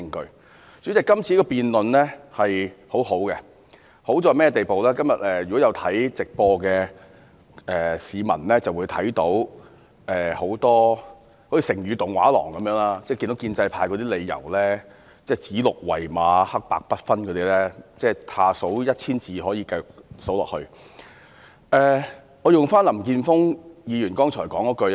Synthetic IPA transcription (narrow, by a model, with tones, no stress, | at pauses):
ɪ˧ŋkɵ˧ | t͡syː˨˥t͡sɛ˨˩kɐ˥mt͡sʰiː˧˥kɔː˧piː˨nlɵ˨nlɛ˥hɐ˨jho˨˥who˨˥wkɛ˧ | ho˨˥wt͡sɔː˧mɛː˥ɛ˧t̪e˨˩jpo˨wlɛː˥kɐ˥mjɐ˨t̚ɛː˧jy˨kɔ˨˥jɐ˨˧wt̪ʰɐ˨˥jt͡sɪ˨k̚pɔː˧kɛː˧ | ɛː˨˩siː˨˧mɐ˨˩nlɛː˥t͡sɐ˨˩wuː˨˧jt̪ʰɐ˨˥jt̪o˨˥w | ʔɛː˨ho˨˥wt̪ɔː˥ | ho˨˥jiː˧sɪ˨˩ŋjyː˨˧t̪ʊ˨˩ŋwa̰ː˨˥lɔ̰ː˨˩ŋkɐ˨˦mjœː˨˥ŋlaː˥t͡sɛː˥˩ki˧no˨˥ki˧nt͡sɐ˧jpʰaː˧jkɔː˧t̪iː˥le˨˧jjɐ̰˨˩wlɛː˥ | t͡sɛː˥˩t͡siː˨˥lʊ˨k̚wɐ̰˨˩jmaː˨˧hɐ˥k̚pa̰ː˧k̚pɐ˥t̚fɐ˥nkʰɔː˨˧t̪iː˥lɛː˥t͡sɛː˥˩t̪ʰaː˧so˨˥wjɐ˥t̚t͡sʰiː˥nt͡siː˨˧ɦɔː˨˥jiː˧kɐ˧jʊ˨˩k̚so˨˥wlɔː˨k̚hɵ˧ɥ | ʔɛː˨˩ | ŋɔː˨˧jʊ˨ŋfaː˥nlɐ˨˩mkiː˧nfʊ˥ŋjiː˨˧jyː˨˩nkɔː˥ŋʰɔː˨˩jkɔː˨˥ŋkɔː˨˥kɵ˧